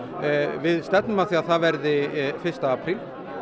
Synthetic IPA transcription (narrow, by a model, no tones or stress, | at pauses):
vɪðst̪ɛt̪nʏmaθiːaðθaðvɛɾðɪfɪr̥st̪aapʰɾil